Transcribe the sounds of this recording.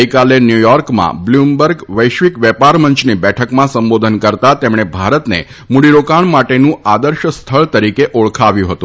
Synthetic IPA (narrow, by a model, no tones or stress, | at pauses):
ikalenjujɔɾkmã̰blumbəɾɡʋəjʃʋikʋɛpaɾməɲt͡ʃʰnibɛʈʰəkmãsəmbod̪ʱənkəɾt̪at̪emɳ̃ebʱaɾət̪nḛ | muɽiɾokaɳmaʈenũad̪əɾʃəst̪ʰəɭt̪əɾikeʔoɭkʰaʋjũɦət̪ũ